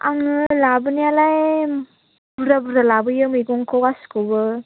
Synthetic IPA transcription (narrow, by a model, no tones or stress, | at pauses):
a̰ŋɯlabɯnijalaj | buɾabuɾalabɯjɯmijɡɔŋkʰowɡaskobɯ